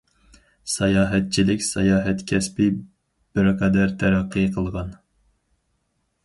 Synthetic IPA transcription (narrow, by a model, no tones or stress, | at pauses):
sɑjɑːɦɛt̪̚t͡ʃʰilɪkʲsɛjɑːɦɛt̪kʲʰɛspɪ | b̥ɪɾqʰɑd̪æɾt̪ʰæɾæqːɨqʰəlˠʁɑn